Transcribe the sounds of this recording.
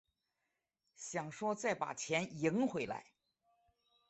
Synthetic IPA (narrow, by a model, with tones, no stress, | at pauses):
ɕjɑ˨˩ŋʂwɔ˥t͡sa˥˩ɪpa̰˨˩t͡ɕʰjɛ˧˥ni˧˥ŋxwe˧˥ɪla̰˧˥ɪ